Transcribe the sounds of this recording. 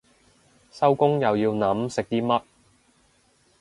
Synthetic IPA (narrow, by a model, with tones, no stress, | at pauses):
sɐ˥wkʊ˥ŋjɐ˨wjiː˧wnɐ˨˥msɪ˨k̚t̪iː˥mɐ˥t̚